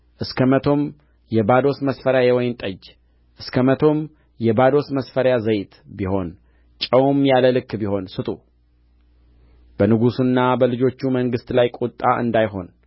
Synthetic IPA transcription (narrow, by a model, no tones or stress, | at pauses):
ʔɨskʰəmət̪ʰo̞m | jɛbad̪o̞sməsfəɾjajewɔjnt̪ʼəd͡ʒ | ʔɨskʰəmət̪ʰo̞m | jɛbad̪o̞sməsfəɾjazəjt̪ʰbiho̞n | t͡ʃʼəwmjaləlɨkːbiho̞nsɨt̪ʼu | b̥ənɨɡusɨnːabəlɨd͡ʒo̞t͡ʃːuməŋɡɨst̪lajkʼut̪ʼːaʔɨ̰nd̪ajɦo̞̰n